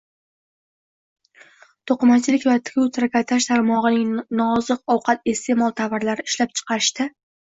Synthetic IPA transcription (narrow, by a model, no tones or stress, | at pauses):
t̪ʰoqɨmat͡ʃʰɪlɪkʲvat̪ʰɪ̥kʰʲut̪ʰɾakʲʰat̪ʰaʃt̪ʰaɾmɒʁɨnɪŋnɒzɨqɒwqʰɑt̪e̞st̪ʰe̞mɒlˠt̪ʰavaɾlaɾɪɪʃlap̚t͡ʃʰɨ̥qʰɑɾɪʃt̪a